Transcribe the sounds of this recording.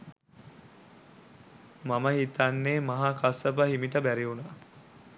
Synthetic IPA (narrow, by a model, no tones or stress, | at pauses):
maməhit̪anːeːmaɦakasəp̬əɦimiʈəbæɾiunaː